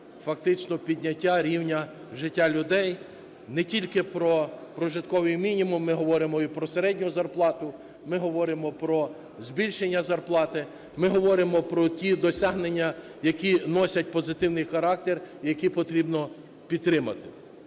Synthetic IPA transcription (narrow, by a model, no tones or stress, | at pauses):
fɐk̚t̪ɪt͡ʃnɔpʲidʲnʲɐtʲːaɾʲiwnʲɐ | ʒɪtʲːalʲʊd̪ɛj | nɛtʲilʲkɪpɾɔpɾɔʒɪt̪kɔʋɪjmʲinʲimʊmːɪɦɔʋɔɾɪmɔipɾɔseɾɛdʲnʲʊzɐrplˠɑt̪ʊ | mɪɦɔʋɔɾɪmɔpɾɔ | zʲbʲilʲʃenʲːɐzɐrplˠɑt̪ɪ | mɪɦɔʋɔɾɪmɔpɾɔtʲid̪ɔsʲaɦnenʲːɐ | jɐkʲinɔsʲɐt̚ʲpɔzɪt̪ɪwnɪjxɐɾɑk̚t̪erjɐkʲipɔt̪ɾʲibnɔ | pʲid̪t̪ːɾɪmɐt̪ɪ̥